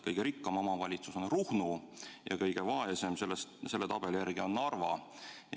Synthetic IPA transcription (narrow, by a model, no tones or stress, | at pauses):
kɤjɡ̥e̞ɾikːɑmɑmɑvɑlʲit̪suso̞nruhnujɑ̰kɤjɡ̥e̞vɑese̞mse̞lːest̪se̞lːe̞t̪ɑb̥eljærɡ̥io̞nːɑrvɑ̰